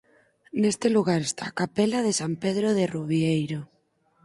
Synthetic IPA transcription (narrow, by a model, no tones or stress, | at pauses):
nest̪eluɣaɾest̪aːkapelað̞esampeð̞ɾoð̞eruβjejɾo